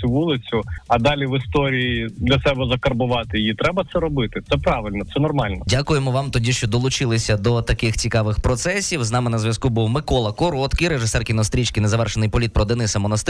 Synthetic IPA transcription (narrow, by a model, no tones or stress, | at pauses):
uʋulˠɪt͡sʲʊɐd̪ɑlʲiʋɪst̪ɔɾʲijid̪lʲɐsɛbɛzɐkɐrbʊʋɑt̪ɪit̪ɾɛbɐt̪sɛɾɔbɪt̪ɪt̪sɛpɾɑʋɪlʲnɔt̪sɛnɔrmɑlʲnɔdʲakʊjemɔʋɑmt̪ɔdʲiʃt͡ʃɔd̪ɔlˠʊt͡ʃɪlˠɪsʲɐd̪ɔt̪ɐkɪxt͡sʲikɑʋɪxpɾɔt̪sɛsʲiwznɑmɪnɐzʋʲjɐskubuwmɪkɔlˠɐkɔɾɔt̪kɪjɾeʒɪsɛrkʲinɔst̪ɾʲit͡ʃkɪjnezɐʋɛrʃenɪjpɔlʲit̪̚pɾɔd̪enɪsɐmɔnɐst̪